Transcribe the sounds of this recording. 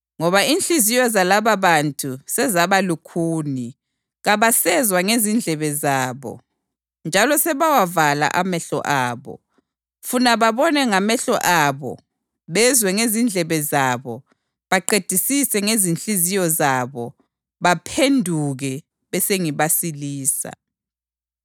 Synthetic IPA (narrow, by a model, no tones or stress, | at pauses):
ŋɔβainɬizijɔzalaβaβantʼʰusɛzaβalukʰuːni | ɣaβasɛzwaŋezind͡ɮʱɛβɛzaːβɔ̰ | nd͡ʒʱalɔsɛβawavala̰ʔamɛɬɔ̰ʔaːβɔ̰ | funaβaβɔnɛŋamɛɬɔ̰ʔaβɔ̰ | βɛzwɛŋezind͡ɮʱɛβɛzaβɔ | βaǃed̥ʱisisɛŋezinɬizijɔzaβɔ | βapʰendʱuɣɛ | βɛseŋiβasiliːsa̰